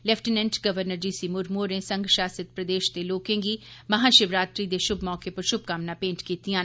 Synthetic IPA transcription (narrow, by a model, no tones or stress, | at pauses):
lɛpʰʈɪnɛ̃ɳʈɡəʋəɾnəɾd͡ʒiːsiːmʊɾmoːɾẽːsəŋɡʃaːsət̪̚pɾəd̪eːʃd̪eːloːkẽːɡiːməɦãːʃɪʋɾaːt̪ɾiːd̪eːʃʊbmɔːkeːpəɾʃʊb̚kamnãːpẽːɲt͡ʃkiːt̪ijãː